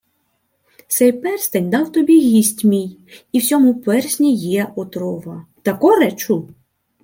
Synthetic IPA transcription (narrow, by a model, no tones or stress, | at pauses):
sɛjpɛrst̪ɐnʲd̪ɑwt̪ɔbʲiɣʲisʲtʲmʲijiwsʲɔmʊpɛrsʲnʲijɛʔɔt̪ɾɔʋɐt̪ɐkɔɾɛt͡ʃu